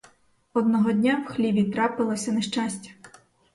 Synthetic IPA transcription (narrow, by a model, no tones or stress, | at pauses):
ɔd̪nɔɦɔdʲnʲawxlʲiʋʲit̪ɾɑpɪlˠɔsʲɐneʃt͡ʃasʲtʲɐ̥